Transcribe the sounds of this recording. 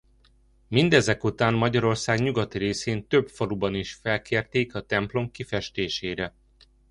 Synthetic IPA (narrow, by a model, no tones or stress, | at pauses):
mind̪ɛzɛkut̪aːnmɒɟɒɾo̞rsaːɡɲuɡɒt̪iɾeːseːnt̪ø̞bfoɾubɒniʃfɛlkeːrt̪eːkɒt̪ɛmplo̞mkifɛʃt̪eːʃeːɾɛ